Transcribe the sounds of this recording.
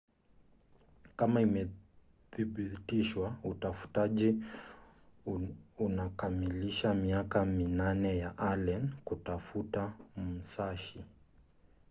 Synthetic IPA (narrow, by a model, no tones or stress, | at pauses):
kamaimɛ | θiɓitiʃwautafu̥taʄi | unakamiliʃamiakaminanɛjaʔalɛnkutafutam̩saʃi